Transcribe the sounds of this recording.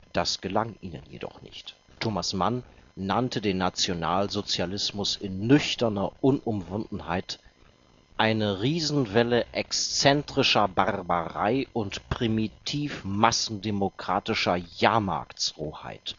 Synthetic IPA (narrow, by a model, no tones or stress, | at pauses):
d̥asɡ̥əlaŋʔiːnə̰njḛdɔ̰χnɪ̰çt | tʰoːmasmanːantʰədeːnːat͡sjona̰ːlzot͡sjalɪsmʊsɪnːʏçtɐnɐʔʊnʔʊmvʊndn̩haɪt | ʔaɪnəʁiːzn̩vɛləʔɛkst͡sɛntʁ̥ɪʃɐbaʁbəʁa̰ɪʔʊntpʁ̥imitʰiːfmasn̩demokʁ̥aːtɪʃɐjaːɐma̰ːkt͡sʁoːha̰ɪt